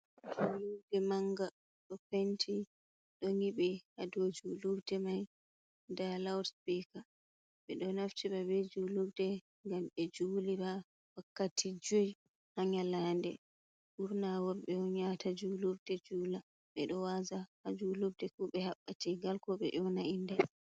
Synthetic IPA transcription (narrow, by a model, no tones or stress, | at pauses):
d͡ʒuludɛmaŋɡa | ɗɔkentʰi | ɗɔŋiɓɛhadɔd͡ʒuluɾdɛmaj | ndalawɾspika | ɓɛɗɔnaftiɓabɛd͡ʒulubdɛ | ŋɡamɛd͡ʒuliɾa | wakːatʰid͡ʒoj | haɲalandɛ | buɾnawɔɾɓɛɔɲatad͡ʒulubdɛd͡ʒuːla | ɓɛɗɔwazahad͡ʒulubdɛkuɓɛhaɓːatiɡalkɔɓɛ̰ʔɔnaʔindɛ